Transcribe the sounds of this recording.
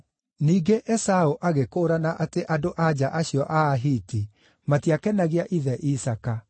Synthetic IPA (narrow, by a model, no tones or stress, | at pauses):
niːɡeʔɛsaoʔaɣekoːɾanaʔateʔadoʔad͡ʒaʔaɕiɔʔaːɦiti | matiakɛnaɣiaʔiðɛʔisaka